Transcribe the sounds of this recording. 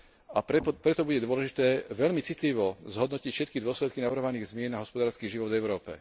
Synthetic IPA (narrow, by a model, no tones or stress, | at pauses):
apɾɛppɾɛt̪ɔbuɟɛd̪ʊɔlɛʒit̪ɛːʋɛʎmit͡sit̪liʋɔzɦɔd̪nɔcicfʃɛt̪kid̪ʊɔslɛt̪kinaʋɾɦɔʋaniːɣzmɪɛnaɦɔspɔd̪aːɾskiːʒiʋɔd̪vɛʊɾɔːpɛ̰